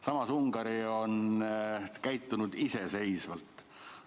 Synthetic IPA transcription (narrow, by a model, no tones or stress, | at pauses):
sɑmɑsuŋɡ̥ɑɾio̞n | kæjt̪ˑːunud̪̥ise̞se̞jsvɑlt̪ːˑ